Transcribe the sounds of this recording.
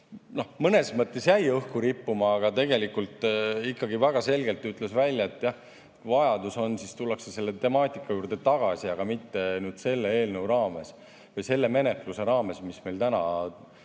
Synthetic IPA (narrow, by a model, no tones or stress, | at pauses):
no̞hmɤne̞smɤt̪ˑːe̞sjæjɤhkuɾipːumɑːɡ̥ɑt̪e̞ɡe̞likult̪ˑikːɑɡivæɡ̥ɑse̞lɡe̞lt̪ːyt̪ˑle̞svælʲjɑet̪ːˑjɑh | vɑjɑd̪̥uso̞nsist̪ulːekse̞se̞lːet̪e̞mɑːt̪ʲˑikːˑɑjuːrd̪e̞t̪ɑɡ̥ɑsiɑɡ̥ɑmit̪ːe̞nyːd̪̥se̞lːeeːlnəwrɑːme̞s | vɤjse̞lːe̞me̞ne̞k̪luse̞ɾɑːme̞smisme̞jlt̪ænɑ